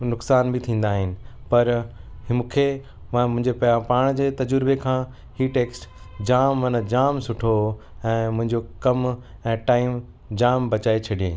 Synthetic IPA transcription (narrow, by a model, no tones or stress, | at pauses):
nʊksaːnbɪt̪ʰĩːn̆d̪aːɦɪnɪ̆pɐɾɦɪmʊkʰe | mãmʊ̃ɦɪ̃ɲd͡ʑepɐãpaːɽ̃d͡ʑeːt̪ɐd͡ʑʊɾbekʰãː | hiːʈeːksʈ | d͡ʑaːmːɐnəd͡ʑaːmsʊʈʰo | ɛ̃ːmʊ̃ɦɪ̃ɲd͡ʑokɐm | ɛ̃ːʈaːɪm | d͡ʑaːmbɐt͡ɕaːet͡ɕʰɐɗijḛ̃ː